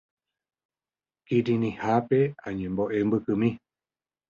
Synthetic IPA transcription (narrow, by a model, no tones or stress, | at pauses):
kiɾĩnĩhape̞ãɲẽmboʔe̞mbɨkɨmĩ